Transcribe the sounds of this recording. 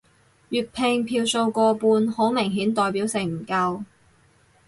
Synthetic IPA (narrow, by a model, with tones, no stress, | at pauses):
jyː˨t̚pʰɪ˧ŋpʰiː˧wso˧wkɔː˧puː˧nho˨˥wmɪ˨˩ŋɦiː˨˥nt̪ɔː˨˧jpiː˨˥wsɪ˨˩ŋm̩˨˩kɐ˧w